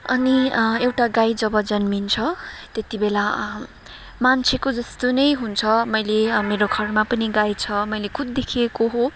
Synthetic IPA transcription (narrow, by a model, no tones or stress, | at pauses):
ʌniewʈaɡajd͡zʌbʌd͡zʌnmint͡sʰʌt̪et̪ibela | mant͡sʰekod͡zʌst̪onʌjɦunt͡sʰʌmʌjlemeɾoɡʱʌrmapʌniɡajt͡sʰʌmʌjlekʰud̪̚d̪ekʰiekoɦo